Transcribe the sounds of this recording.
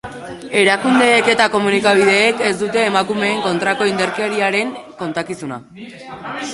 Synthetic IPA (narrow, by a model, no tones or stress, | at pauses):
e̞ɾakund̪e̞ːke̞t̪ako̞munikaβ̞ið̞e̞ːke̞zd̪ut̪e̞ːmakume̞ːŋko̞nt̪ɾako̞ind̪eɾkeɾiaɾe̞ŋko̞nt̪akisuna̰